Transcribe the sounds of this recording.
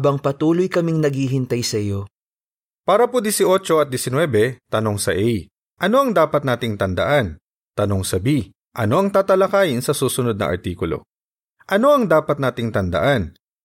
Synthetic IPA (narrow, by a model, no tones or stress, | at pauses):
bɐŋpɐt̪uːlojkɐmɪŋnɐɡhiɦɪnt̪ajsɐɪjo | paːɾɐpod̪ɛsɪʔo̞t͡ʃo̞ɐt̪̚d̪ɛsɪnwɛːbɛt̪ɐno̞ŋsɐʔɛj | ʔɐno̞ɐŋd̪aːpɐt̪naːt̪ɪŋt̪ɐnd̪ɐ̰ʔan | t̪ɐno̞ŋsɐbi | ʔɐno̞ʔɐŋt̪aːt̪ɐlɐkaːjɪnsɐsuːsʊnod̪̚nɐ̰ŋʔɐ̰ɾt̪iːkʊlo̰ | ʔɐno̞ɐŋd̪aːpɐt̪̚naːt̪ɪŋt̪ɐnd̪ɐ̰ʔan